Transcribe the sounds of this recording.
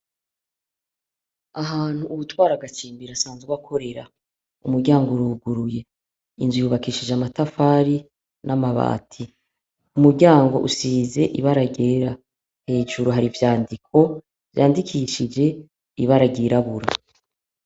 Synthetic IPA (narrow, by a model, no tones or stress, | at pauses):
aɦaːn̥huːβutwaːɾaɡat͡ʃiːmbiɾasaːnzewakʰo̞ɾe̞ɾa | umuɾɟaːŋɡouɾuɡuɾuje̞ | inzwijuːβakiːʃid͡ʒamatafaːɾi | nʔamaβa̰ːtʰi | umuɾɟaːŋɡo̞̰ʔusiːze̞ʔiβaɾaɟe̞ːɾa | he̞ːʒuɾoɦaɾivjaːndikʰo̞ | v̥jaːndikʰiʃid͡ʒe̞ | iβaɾaɡiɾaβuɾa